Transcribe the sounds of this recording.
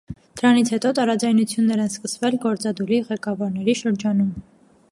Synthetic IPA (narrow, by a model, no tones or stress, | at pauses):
d̪̥əɾɑnit͡sʰhɛt̪ɔt̪ɑɾɑd͡zɑjnut͡sʰjunːɛɾɛnskəsvɛlɡɔɾt͡sɑd̪uɾiʁɛkɑvɑɾnɛɾiʃəɾd͡ʒɑnum